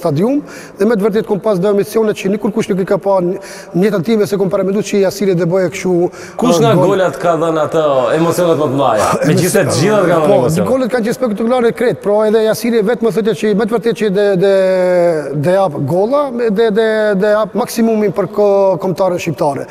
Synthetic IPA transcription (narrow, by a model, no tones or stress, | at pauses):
st̪ad̪ium | ðɛmɛt̪vəɾt̪ɛt̪kɔmpas̬d̪ɔɛmit͡siɔnɛt̪̚t͡ʃənukuɾkuʃnuk̬əkapa | ɲɛt̪at̪ivɛsɛkɔmpaɾamɛnd̪ust͡ʃəasiɾɛd̪ɛbɔjɛkʃu | kuʃŋɡaɡɔlat̪kaðənat̪əɛmɔt͡sijɔnɛt̪mət̪əma̰jaɛmɛmd͡ʑisɛt̪d͡ʒiðat̪ɡaðpɔɔɔɡɔlat̪̚kant͡ʃɛspɛk̚t̪akulaɾɛkɾɛt̪̚pɾɔɛðɛasiɾiɛvɛt̪məθɔt̪̬jat͡ʃəmɛt̪vəɾt̪ɛt̪̚t͡ʃəd̪ɛ | d̪ɛapɡɔlˠad̪ɛd̪ɛd̪ɛapmaksimuminpəɾkɔmt̪aɾənʃip̚t̪aɾɛ̰